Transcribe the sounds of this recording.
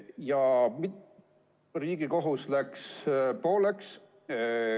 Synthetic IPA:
jɑmit̪ | riːɡ̥iko̞ɦuslækspoːleks

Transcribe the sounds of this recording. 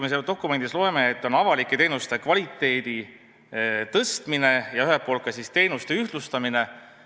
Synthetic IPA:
meseld̪o̞kːˑume̞nd̪̥islo̞eme̞ːt̪ːˑo̞nɑvɑlikːˑet̪e̞ːnust̪e̞kvɑlʲit̪ːˑe̞ːd̪i | t̪ɤst̪mine̞jɑyɦelpːˑo̞ːlt̪̚kːɑsist̪e̞ːnust̪e̞yht̪lust̪ɑmine̞

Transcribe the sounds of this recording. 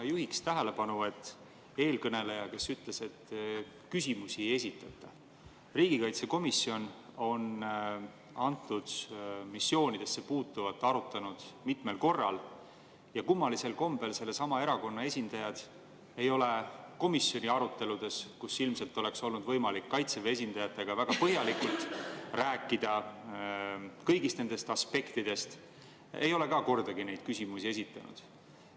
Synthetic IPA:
juhikst̪æɦele̞pɑnue̞t̪ːˑ | e̞ːlkɤne̞le̞jɑke̞syt̪le̞se̞t̪ | kysʲimusieje̞sʲit̪ːˑɑt̪ːˑɑ | riːɡikɑjt̪seko̞misːio̞no̞n | ɑnt̪ːˑud̪̥misːjo̞ːnid̪̥e̞sːepuːt̪ːuvɑt̪ːɑɾut̪ːˑɑnud̪̥mit̪me̞lko̞rːɑ̰l | jɑkumːɑlise̞lko̞mbe̞lse̞lːe̞sɑmɑe̞ɾɑko̞nːɑe̞sʲind̪ɑjɑd̪̥ | e̞jo̞le̞ko̞misjo̞nʲiɑɾut̪ːe̞lud̪̥e̞skusilmse̞lt̪ːˑo̞le̞kso̞lnud̪vɤjmɑlikːɑjt̪sevee̞s̬ʲind̪̥ɑjɑt̪ːˑe̞ɡ̥ɑvæɡ̥ɑpɤɦjɑlikult̪ˑræːkːˑid̪̥ɑ | kɤjɡist̪ne̞nd̪e̞st̪ɑspe̞kt̪id̪̥e̞st̪ | e̞̰jo̞le̞kɑːko̞rd̪̥ɑɡine̞jd̪̥kysʲimusie̞s̬ʲit̪ːˑɑnṵd̪̥

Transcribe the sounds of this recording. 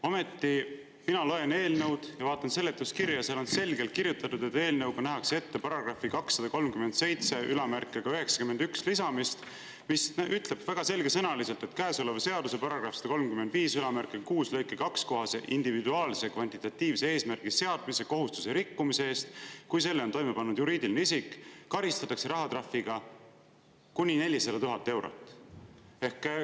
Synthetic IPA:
ome̞t̪ːi | minɑlo̞e̞ne̞ːlnɤwd̪̥jɑvɑːt̪ˑːɑnse̞lːet̪ːˑuskirjɑseɑlo̞nse̞lɡe̞lt̪̚kiɾjut̪ːˑɑt̪ːud̪̥et̪ːe̞ːlnɤwɡ̥ɑnæɦɑksee̞t̪ːe̞pɑɾɑɡrɑfikɑksːɑd̪̥ɑko̞lmkyme̞nt̪se̞jt̪se̞ʔylɑmærkːˑeɡ̥ɑyɦe̞ksɑ̥kymːenykslisɑmist̪ | misyt̪ˑle̞b̥væɡ̥ɑse̞lɡ̥e̞sɤnɑlise̞lt̪e̞t̪kæːeso̞levse̞ɑd̪use̞pɑɾɑɡ̥rɑfse̥d̥̪ɑko̞lmkymːend̪viːsylɑmærkˑekuːslɤjkːˑekɑksko̞ɦɑsḛʔind̪̥ivid̪uɑːlsekvɑnʲt̪it̪ːˑɑt̪ʲːˑiːvseeːsmærɡ̥ise̞ɑd̪̥mise̞ko̞ɦust̪u̥seɾikːumiseeːst̪kujse̞lːeot̪o̞jme̞pɑnːud̪̥juɾiːd̪ilneisikːkɑɾist̪ɑt̪ːˑɑkse̞ɾɑɦɑt̪rɑfiɡ̥ɑ | kunʲine̞lʲːisɑd̪̥ɑt̪uɦɑt̪ːˑe̞wɾo̰t̪ːˑ | e̞hk

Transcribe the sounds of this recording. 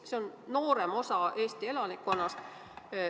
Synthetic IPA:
seo̞nno̞ːɾe̞mo̞sɑʔe̞ːst̪ie̞lɑnikːo̞nːɑst̪

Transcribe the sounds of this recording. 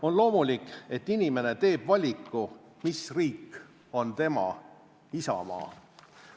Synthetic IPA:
o̞nlo̞ːmulʲike̞t̪ːinime̞ne̞t̪e̞ːb̥vɑlʲikːˑu | misriːkː | o̞nt̪e̞mɑ̰ | isɑ̰mɑ̰ː

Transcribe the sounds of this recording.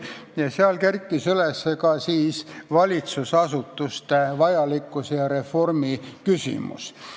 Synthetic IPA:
jɑseɑlkerkˑːisylesːekɑsiːsvɑlʲit̪susɑsut̪ːˑust̪evɑjɑlikːˑusjɑɾe̞fo̞rmikysʲḭmṵs

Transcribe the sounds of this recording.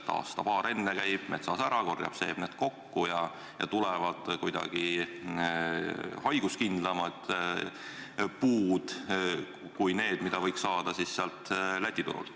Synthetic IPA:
t̪ɑ̰ːst̪ɑpɑːɾe̞nːekæjb̥nḛt̪sɑːsæɾɑko̞rjɑ̰b̥se̞̰ːb̥neːd̪̥ko̞kːujɑ | jɑ̰t̪ulɛvɑd̪̥kujd̪̥ɑ̰ɡ̥i | hɑjɡ̥uskind̪̥lɑmɑd̪̥ | puːd̪̥ | kujne̞ːd̪̥mid̪̥ɑvɤjksɑːd̪̥ɑsisːeɑlt̪læt̪ʲːit̪ṵɾṵlt̪

